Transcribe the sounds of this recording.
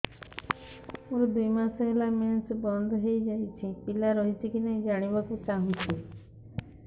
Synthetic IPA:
mũɾd̪ujmasɔɦelamensbɔnd̪ʱɦejd͡ʒajt͡ʃʰipilaɾɔɦit̪ʰikinad͡ʒaɽ̃ibakũt͡ʃaɦũt͡ʃʰi

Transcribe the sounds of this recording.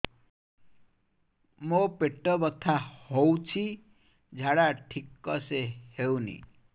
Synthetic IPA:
mopeʈːɔbɔt̪ʰahowt͡ʃʰi | d͡ʒʱaɽaʈʰikːʌsehewnḭ

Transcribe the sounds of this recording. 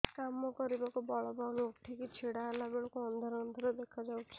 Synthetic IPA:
kamɔkɔɾibakubɔɭɔbanukʈʰikit͡ʃʰeɽaelabeɭɔkuɔnd̪ʱɔɾɔnd̪ʱɔɾɔd̪ekʰad͡ʒawt͡ʃʰi̥

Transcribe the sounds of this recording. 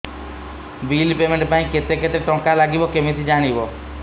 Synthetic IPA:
biːlpemẽɳʈpaːĩket̪eket̪eʈɔ̃kalaɡibokemit̪ʰid͡ʒaːɽ̃ibo

